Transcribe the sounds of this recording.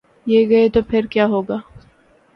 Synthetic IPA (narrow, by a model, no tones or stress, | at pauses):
jeɡɐet̪opʰɪɾkjaːɦoːɡaː